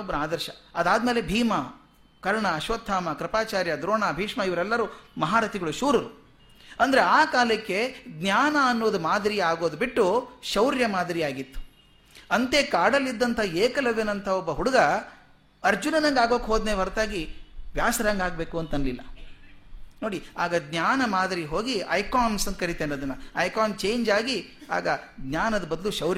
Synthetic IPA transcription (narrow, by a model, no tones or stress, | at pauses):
ɔbːɐɾaːd̪ɐɾʃɐɐd̪aːd̪me̞ːle̞bʱiːmɐ | kɐɾɳɐːʃʋɐt̪ʰːaːmɐkɾɐpaːt͡ʃaːɾjɐd̪ɾoːɳaːbʱiːʂmɐiʋɐɾɛlːɐɾumɐɦaːɾɐt̪ʰiɡɐɭuʃuːɾɐɾu | ɐnd̪ɐɾeaːkaːlɐkːe̞ɡnʲjaːnɐːnːoʋɐd̪umaːd̪ɐɾijaːɡo̞ːd̪ubiʈːuʃɐwɾjɐmaːd̪ɐɾijaːɡit̪ːu̥ | ɐnt̪eːkaːɽɐlːid̪ːɐnt̪ʰɐeːkɐlɐʋenɐnt̪ʰɐɔbːɐɦuɽɐɡɐ | ɐɾd͡ʒunɐnɐŋɡaːɡoːkɦoːd̪neːʋɐɾt̪aːɡiʋjaːsɐɾaːŋɡaːɡ̚beːkuɐnt̪ɐnlilːɐ | no̞ːɽiaːɡɐɡ̪nʲaːnɐmaːd̪ɐɾiɦo̞ːɡiɐ̰jkaːnsɐnkɐɾit̪enoːd̪ɐnːɐɐjkaːnt͡ʃe̞ːɲd͡ʒaːɡia̰ːɡɐɡ̪njaːnɐd̪ɐbɐd̪luʃɐwɾj